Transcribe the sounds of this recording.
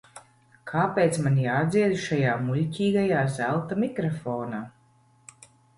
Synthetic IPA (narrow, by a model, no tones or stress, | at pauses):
kʰaːpeːt̪smanjaːd̪ziɛd̪uʃajaːmulʲcʲiːɡajaːzælˠt̪amikɾɔfɔːnaː